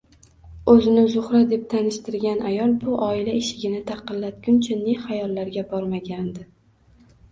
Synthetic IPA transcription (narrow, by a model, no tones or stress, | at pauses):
ɵzɪnɪzʊχɾad̪e̞p̚t̪ʰanɪʃt̪ɪɾɡʲanʔajɒlˠbʊʔɒɪlaeʃɪɡʲɪnɪt̪ʰɑqɨlːat̪̚ɡʲʊnt͡ʃʰaneχajɒlˠːaɾɡʲabɒɾmaɡʲand̪ɪ